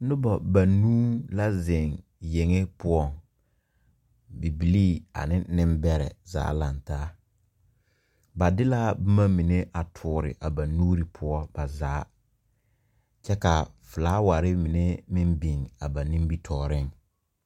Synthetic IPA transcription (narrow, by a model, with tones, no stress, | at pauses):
nʊ˦bɔ˨ba˨nuː˦la˦zɪ˨ŋ | je˨ŋe˦pʊ˦ɔ˦˨ŋ | bi˨bi˨liː˦a̰˨nɪ˦nɪ˦mbɛ˦ɾɛ̰˨za̰ː˨˦la˨ntaː˦ | ba˨dɪ˦la˦bʊ˦ma˦mi˨ne˦ʔa˨tʰʊː˨˦ɾɪ̰˨ʔa˨ba˨nuː˦ɾi˨pʰʊ˦ɔ˦b̥a˨zaː˨˦ | t͡ʃɛ˦ka˨fʊ˨laː˦wa˨ɾɪ˦mɪ˨ne˦mɪ˦mbi˨ŋa˨ba˨nĩ˦bi˦tʰɔː˨ɾɪ˦ŋ